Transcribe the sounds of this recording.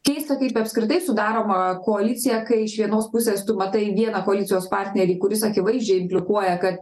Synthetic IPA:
kʲɛɪst̪ɐkɐɪpɐpskɾʲɪt̪ɐɪsʊd̪ɑːɾoːmɐkoːɐlʲɪt̪sʲɪjɛkɐɪɪʃʋʲiɛnoːspʊsʲeːst̪ʊmɐt̪ɐɪʋʲiɛnɐkoːɐlʲɪtsʲɪjoːspɑːɾʲt̪ʲnʲɛɾʲiːkʊɾʲɪsɐkʲɪʋɐɪzʲd͡ʒʲɛɪɪmʲpʲlʲɪkuɔjɛkɐt̪

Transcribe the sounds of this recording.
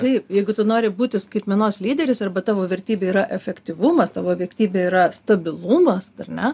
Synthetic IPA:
t̪ɐɪpjɛɪɡʊt̪ʊnoːɾʲɪbuːt̪ʲɪskɐɪt̪ʲmʲɛnoːslʲiːd̪ʲɛɾʲɪsɐrbɐt̪ɑːʋoːʋʲɛrʲt̪ʲiːbʲeːiːɾɐʔɛfʲɛkt̪ʲɪʋumɐst̪ɑːʋoːʋʲɛɪkt̪ʲiːbʲeːiːɾɐst̪ɐbʲɪlˠumɐsɐrnʲɛ

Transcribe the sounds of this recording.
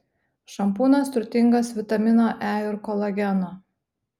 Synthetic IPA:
ʃɐmpuːnɐst̪ʊɾʲt̪ʲɪŋɡɐsʋʲɪt̪ɐmʲɪnoːʔæːjʊɾkɔlˠɐɡʲɛno

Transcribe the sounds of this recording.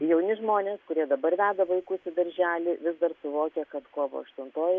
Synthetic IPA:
jɛʊnʲɪʒmoːnʲeːskʊɾʲiɛd̪ɐbɐrʋʲæːd̪ɐʋɐɪkʊsɪd̪ɐɾʲʒʲæːlʲɪʋʲɪzd̪ɐrsʊʋoːkʲɛkɐt̪koːʋo̰ːɐ̰ʃt̪ʊnt̪oːj

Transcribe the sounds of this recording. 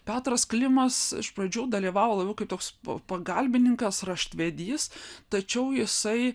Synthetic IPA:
pʲæːt̪rɐsklʲɪmɐsɪ̰ʃprɐd͡ʒʲuːd̪ɐlʲiːʋɑːʋoːlˠɐbʲɛʊkɐɪpt̪oːkspɐɡɐlʲbʲɪnʲɪŋkɐsrɐʃʲt̪ʲʋʲɛd̪ʲiːst̪ɐt͡ʃʲɛʊjɪsɐɪ

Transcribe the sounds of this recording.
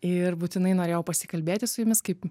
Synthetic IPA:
ɪɾbuːt̪ʲɪnɐɪnoːɾʲeːjɛʊpɐsʲɪkɐlʲbʲeːt̪ʲɪsʊjʊmʲɪskɐɪp

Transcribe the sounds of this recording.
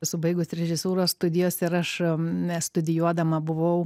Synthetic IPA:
sʊbɐɪɡʊsɾʲɛʒʲɪsuːɾosst̪ʊd̪ʲɪjoːsʲɪɾɐʃ | st̪ʊd̪ʲɪjuɔd̪ɐmɐbʊʋɐʊ

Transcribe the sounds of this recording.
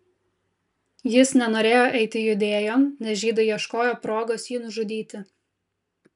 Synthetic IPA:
jɪsnʲɛnoːɾʲeːjoːʔɛɪt̪ʲɪjʊd̪ʲeːjoːmnʲɛsʒʲiːd̪ɐjiɛʃkoːjoːpɾoːɡoːsjiːnʊʒʊd̪ʲiːt̪ʲɪ

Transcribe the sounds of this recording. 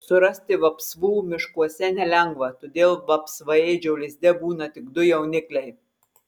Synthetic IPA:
sʊɾɐsʲt̪ʲɪʋɐpsʋuːmʲɪʃkuɔsʲɛnʲɛlʲɛŋɡʋɐt̪oːd̪ʲeːlˠʋɐpsʋɐjɛɪd͡ʒʲɛʊlʲɪzʲd̪ʲɛbuːnɐt̪ʲɪɡd̪ʊjɛʊnʲɪklʲɛɪ

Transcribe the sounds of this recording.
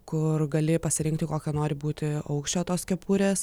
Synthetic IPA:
kʊrɡɐlʲɪpɐsʲɪɾʲɪŋk̚t̪ʲɪkoːkʲɛnoːɾʲɪbuːt̪ʲɪɐʊkʃʲt͡ʃʲoːt̪oːskʲɛpuːɾʲeːs

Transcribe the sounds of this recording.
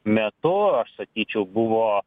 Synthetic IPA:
mʲɛt̪ʊɐʃsɐkʲiːt͡ʃʲɛʊbʊʋoː

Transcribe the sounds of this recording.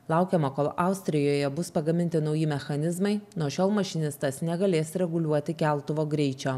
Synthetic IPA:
lˠɐˑʊkʲɛmɐkoːlˠɐˑʊsʲt̪ʲɾʲɪjoːjɛbʊspɐɡɐmʲɪnʲt̪ʲɪnɒʊjɪmʲɛxɐnʲɪzmɐɪnuʃʲoːlˠmɐʃʲɪnʲɪst̪ɐsnʲɛɡɐlʲeːsɾʲɛɡʊlʲuɔt̪ʲɪkʲæˑlˠt̪ʊʋoːɡɾʲɛɪt͡ʃʲoː

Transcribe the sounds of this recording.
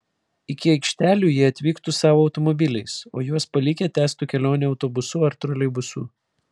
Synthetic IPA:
ɪkʲɪɐɪkʃʲt̪ʲæːlʲuːjiɛɐt̪ʲʋʲiːkt̪usɑːʋoːɐʊt̪ɔmɔbʲɪlʲɛɪsoːjuɔspɐlʲɪkʲɛt̪ʲæːst̪uˑkʲɛlʲoːnʲɛɒʊt̪obʊsuɐɾt̪ɾɔlʲɛɪbʊsṵː

